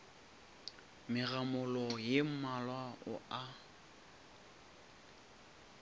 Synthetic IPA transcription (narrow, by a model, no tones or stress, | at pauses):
mɪramʊlɔjem̩malwaʊ̰ʔa